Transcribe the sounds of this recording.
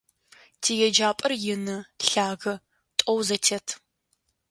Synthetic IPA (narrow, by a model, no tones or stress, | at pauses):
tʰiːjɛd͡ʒaːpʼɨrjɪnɨɬaːɣɨ | tʷʼɔwzɐtʰetʰ